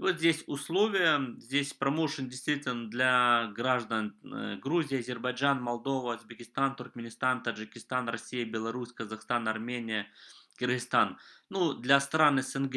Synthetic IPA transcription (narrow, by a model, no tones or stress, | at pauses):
vot̪zʲdʲesʲʊslˠovʲɪjəzʲdʲesʲpɾɐmoʂɨndʲɪjst̪vʲitʲɪlʲnəd̪lʲaɡɾaʐd̪ənɡɾuzʲɪjɐzʲɪrbɐjʐanmɐlˠd̪o̞vəʊzbʲɪkʲɪst̪ant̪ʊrkmʲɪnʲɪst̪ant̪əʐɨkʲɪst̪anrɐsʲijəbʲɪlˠɐɾusʲkəzɐxst̪anɐrmʲenʲɪjəkʲɪrɣɨst̪annud̪lʲɐst̪ɾanɨsɛnɡ